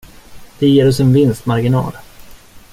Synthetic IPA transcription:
d̪̥ɛjeːɾɔsɛnvɪnst̪maɾɡɪnɑ̰ːl

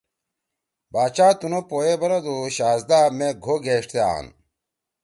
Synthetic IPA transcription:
baːt͡ɕaːt̪unopoːjebɐɾɐd̪uɕaːzd̪aːmeɡʱoɡʱeːʂʈt̪ea̰ːn

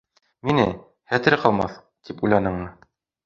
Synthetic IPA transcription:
minɘ | hæt̪ɘ̆ɾɘqɑlˠmɑ̰θ | t̪ʰipujlˠɑnɤ̆ɴnɤ

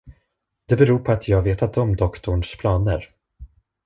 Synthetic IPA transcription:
d̪̥ɛbɛɾuːɾpʰɔat̪ʰjɑːɡveːt̪ʰat̪ɔmd̪ɔkt̪ʊɳʂpʰlɑːnəɾ

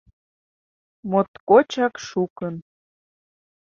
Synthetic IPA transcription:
mot̪kot͡ɕɑkʃukən

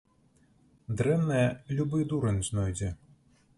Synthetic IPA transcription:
d̪ɾɛmnɐjɐlʲubɨd̪uɾɐnʲznɔjd͡zʲɛ

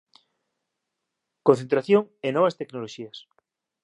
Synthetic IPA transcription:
konθent̪ɾaθjoŋenɔβ̞ɐst̪eknoloʃiɐs

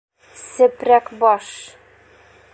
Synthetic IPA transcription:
sɘ̆pɾækbɒʃ

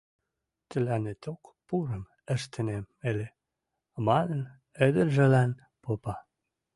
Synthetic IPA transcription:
t̪əlænet̪ʰokpuɾəm | əʃt̪ʰənemːele | mɑnən | əd̪əɾʒəlæn | popɑ

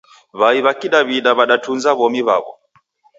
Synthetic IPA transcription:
βaiβakiɗaβiɗaβaɗatunzaβɔmiβa̰βɔ̰

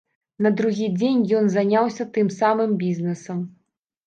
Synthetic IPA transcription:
nɐd̪ɾuɣʲid͡zʲenʲjɔnzanʲawsʲɐt̪ɨmsamɨmbʲiznɛsɐm

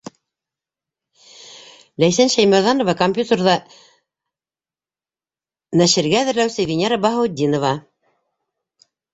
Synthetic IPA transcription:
læjsænʃæjmæ̆ɾðɑnŏvɑkomʲpʲjut̪erðɑ | næʃɘ̆ɾɡæːðɘ̆ɾlæwsɘvʲɪnʲeɾɑbɑɦŏwd̪ʲːinŏvɑ

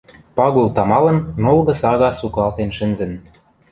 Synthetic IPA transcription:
pɑɣult̪ɑmɑlɤ̆nːolɣɤ̆sɑɣɑsukɑlt̪enʃɘ̆nzɘ̆n

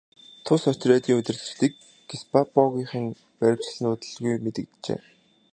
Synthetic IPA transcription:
t̪ʰʊsœt͡ɕrʲæːt̪iːŋɵt̪ʲɘ̆rɮɘ̆t͡ɕt̪ĭk | ɡispapɔɣʲiːχɘ̆ŋ | pæɾʲɪ̆w̥t͡ɕɮnʊːt̪ɘ̆ɮɣujmet̪ɘ̆k̚t̪t͡ɕḛː

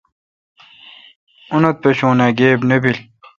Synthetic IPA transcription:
unɐt̪̚peɕũːnaːɡeːbnebil

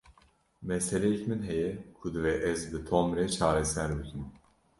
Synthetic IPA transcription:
mɛsɛlɛjɛcmɨnɦɛjɛkʰud̪ɨvɛʔɛzbɨt̪ʰomɾɛt͡ʃʰaːɾɛsæɾbɨkʰɨm

